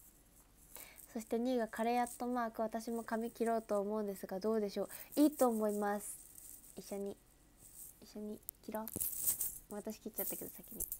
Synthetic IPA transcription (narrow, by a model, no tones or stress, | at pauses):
so̞ɕi̥t̪e̞ɲ̟iːɡakʰaɾe̞at̪ːo̞maːkɯ̟β̞at̪aɕimo̞kamʲikʲiɾo̞ːt̪o̞ːmo̞ɯ̃nd̪e̞sɨɡad̪o̞ːd̪e̞ɕo̞ːiːt̪o̞ːmo̞imasɨ̥ | iɕːo̞ɲ̟i | iɕːo̞ɲ̟ikʲiɾo | βat̪aɕi̥kʲit͡ɕat̪ːake̞d̪o̞sakʲiɲ̟i